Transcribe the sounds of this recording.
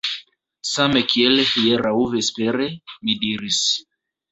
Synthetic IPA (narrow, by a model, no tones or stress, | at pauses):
samekielehieɾauvespeɾemidiɾis